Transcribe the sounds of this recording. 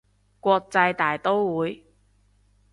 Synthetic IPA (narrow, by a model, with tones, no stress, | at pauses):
kʷɔː˧k̚t͡sɐ˧jt̪aː˨jt̪o˥wwuː˨˧j